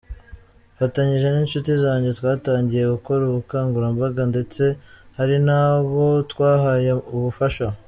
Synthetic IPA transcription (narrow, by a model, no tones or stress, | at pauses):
fataɲiʒe̞niːnʃutizaːɲɟe̞twaːtaːɲɟije̞ɡuko̞ɾuβukaːŋɡuɾambaɡande̞t͡se̞haɾinaβo̞twaːɦajeuβufaʃa